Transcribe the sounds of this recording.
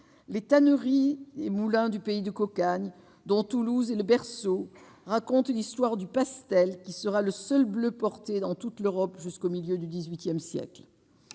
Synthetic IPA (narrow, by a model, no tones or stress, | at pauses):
let̪anəʁiemulɛ̃d̪ypeid̪əkɔkaɲ | d̪ɔ̃t̪uluzeləbɛʁso | ʁakɔ̃t̪list̪waʁd̪ypast̪ɛlkʲisəʁaləsœlbløpɔʁt̪ed̪ɑ̃t̪ut̪løʁɔpʒyskomiljød̪yd̪izɥit̪jɛmsjɛ̰kl